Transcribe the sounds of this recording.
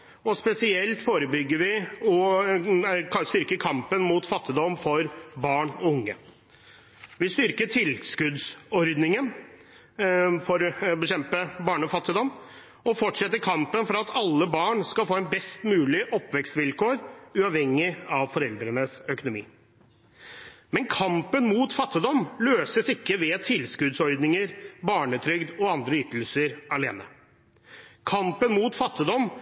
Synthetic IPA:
ɔspɛsɪɛlt̪foːɾəbʏɡːəɾʋɪɔ | st̪ʏɾkəɾkʰɑmpənmʊt̪fɑt̪ːɪd̪ɔmfɔɾbɑːɳɔʊŋːə | ʋɪst̪ʏɾkəʈʰɪlskʉd̪sɔɾd̪nɪŋən | fɔɾbɛɕɛmpəbɑːɳəɔfɑt̪ːɪd̪ɔmː | ɔfɔʈʂɛt̪ːəɾkʰɑmpənfɔɾɑt̪ʰɑlːəbɑːɳskɑlfoːɛnbɛst̪mʉːlɪʔɔpːʋɛkst̪ʋɪlkoːɾʉːɑːʋhɛŋːɪɑʋfɔɾɛld̪ɾənəsœkʊnʊmḭː | mɛnkʰɑmpənmuːt̪fɑt̪ːɪd̪ɔmløːsəsɪkːəʋɛːt̪ʰɪlskʉd̪sɔɾd̪nɪŋəɾbɑːɳət̪ʰɾʏɡd̪ɔɑnd̪ɾəyːt̪əl̩səɾɑlḛːnə | kʰɑmpənmuːt̪fɑt̪ːɪd̪ɔm

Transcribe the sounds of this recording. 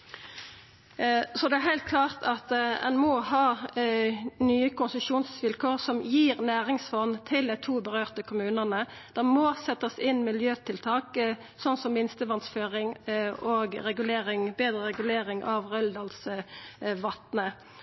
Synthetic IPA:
sɔd̪ɛæhæɪlt̪̚kʰlɑːʁt̪ʰɑt̪ɛ̰nmɔhɑː | nyːəkʊnsəʃuːnsʋɪlkʰoːʁsɔmjiːʁnæːʁɪŋsfɔnt̪ʰɪld̪æɪt̪ʰuːbəʁøːʁt̪əkʰʊmʉːnənə | d̪̥ɛmɔːsɛt̪ːəsɪnːmɪljøːt̪ʰɪlt̪ʰɑːk | sɔnsɔmʋɪnst̪əʋɑnsføːʁɪŋoːɡʁɛɡʉleːʁɪŋbeːd̪ʁəʁɛɡʉleːɾɪŋʔɑʋʁœld̪ɑːls | ʋɑt̪nə

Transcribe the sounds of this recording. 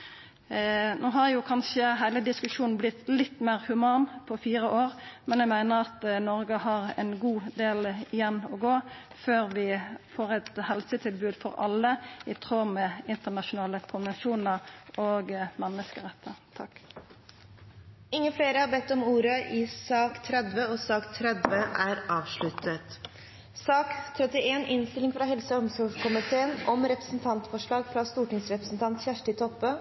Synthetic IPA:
noːɦɑʁjʊkʰɑnʃəɦæɪləd̪ɪskʉʂuːn̩blɪt̪lɪt̪ːmæɪʁhʉmɑːnpʰɔfiːʁəʔoːʁmɛnjæɪmæɪnəʁɑt̪nɔɾɡəhɑʁɛ̰nɡuːd̪eːlɪjɛnːɔɡoː | føːʁʋɪfoːʁɛt̪hɛlsət̪ʰɪlbʉːd̪fɔɾɑ̰lːəɪt̪ʰʁoːmɛɪnt̪ənɑʃʊnɑːləkʰʊnʋɛnʃuːnəɾoːɡmɛnːəskəʁɛt̪ʰːəʁt̪ʰɑkː | ɪŋːəfleːɾəhɑɾbɛt̪ːɔmuːɾəʔɪsɑːkt̪ʰɾɛd̪ʋəɔsɑːkt̪ʰɾɛd̪ʋəʔæɾɑːʋʂɭʉt̪ət̪ | sɑːkt̪ʰɾɛt̪ɪʔeːnʔɪnst̪ɪlɪŋfɾɑɦɛlsəɔmsɔfkʰʊmɪt̪ʰeːənʔɔmɾɛpɾə̥sn̩t̪ʰɑnt̪fɔʂɭɑːɡfɾɑst̪uːʈɪŋsɾɛpɾəsn̩t̪ʰɑnt̪çæʂʈɪt̪ʰɔpːə

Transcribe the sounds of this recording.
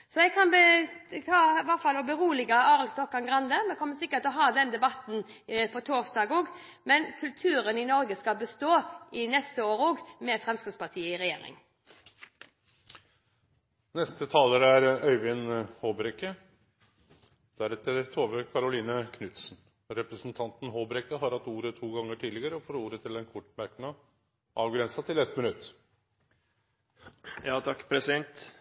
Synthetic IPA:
sɔɛɡkʰɑnbə | ɑʋɑʁt̪fɑlɔbəɾuːlɪɡəɑːɾəlst̪ɔkːɑnɡʁɑnd̪əmɛkʰɔmːəsɪkːət̪ɔɦɑːd̪ɛnd̪ɛbɑt̪n | pʰɔt̪ʰoːʁsd̪ɑɡoːɡ | mɛnkʰʉlt̪ʰʉːɾənɪnɔɾɡəskɑbəst̪oːɪnɛst̪əoːɾoːɡmɛfʁɛmskəspɑʁt̪ʰiːəɪɾɛjḛːɾɪ̰ŋ | nɛst̪ət̪ʰɑːləɾəæɾœʏʋɪnhoːbɾɛkə | d̪̥æɾɛt̪ʰːəɾt̪ʰoːʋəkʰɑɾʊliːnəkʰnʉt̪sn̩ | ɾɛpɾəsn̩t̪ʰɑnt̪n̩ɦoːbɾɛkəɦɑɾhɑt̪ːuːɾət̪ʰuːɡɑŋːəʈʰiːd̪ɪɡəɾəɔfoːɾuːɾət̪ʰɪlɛnkʰʊʈːmæɾknɑ | ʔɑːʋɡɾɛnsɑt̪ʰɪlɛt̪mɪnʉt̪ː | jɑːt̪ʰɑkːpʰɾɛsɪd̪ɛnt̪

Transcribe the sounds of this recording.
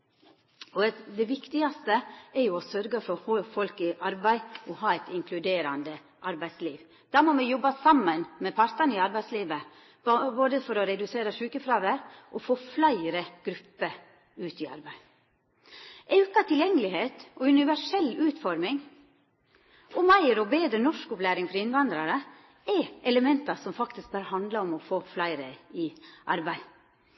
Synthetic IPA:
ɔd̪ɛʋɪkt̪ɪɑst̪əɛɾjʊɔsœɾɡəfɔɾhoːfɔlkɪʔɑɾbæɪɔhɑːɛt̪ɪŋkʰlʉd̪eːɾɑnd̪ə | ʔɑɾbæɪd̪sliːʋ | d̪̥ɑmomɛjɔbːɑsɑmːənmɛpʰɑɾt̪ɑniɑɾbæɪsliːʋə | boːd̪əfɔɾɔɾɛd̪ʉseːɾəʂʉːkəfɾɑːʋəɾʔɔfoːflæɪɾəɡ̥ɾʉpːəɾ | ʉːt̪ɪɑ̰ɾbæɪ | ʔɛʉkɑt̪ʰɪljɛŋːəlɪheːt̪ʔɔʉnɪʋæʂɛlːʉːt̪fɔɾmɪŋ | ɔmæɪɾɔbeːd̪ɾənɔʂkɔplæːɾɪŋfɾɔɪnʋɑnd̪ɾɑɾə | ɛʔɛləmɛnt̪ɑsɔmfɑkt̪ɪsk̚bœɾhɑnd̪lɑɔmɔfoːflæɪɾəɪʔɑ̰ɾbæɪ

